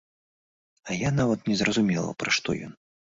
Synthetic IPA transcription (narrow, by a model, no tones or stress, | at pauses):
ɐjanavɐt̪nʲɛzrɐzumʲɛlˠɐ̰pɾaʂt̪ɔ̰jɔ̰n